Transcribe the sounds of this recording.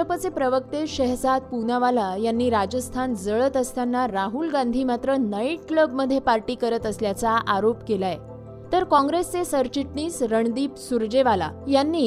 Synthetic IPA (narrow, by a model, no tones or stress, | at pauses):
əpət͡sepɾəʋək̚t̪eɕəɦsad̪̚punaʋalajanːiːɾad͡ʑəst̪ʰand͡zəɭət̪əst̪ʰanːaɾaɦulɡãnd̪ʱiːmat̪ɾənəiʈkləbməd̪ʱːjepaɾʈiːkəɾət̪əsljat͡saʔaɾopkelaje | t̪əɾkɔ̃ŋɡɾest͡sesəɾt͡ɕiʈɳiːsɾəɳd̪iːpsuɾd͡ʑeʋala̰janːiː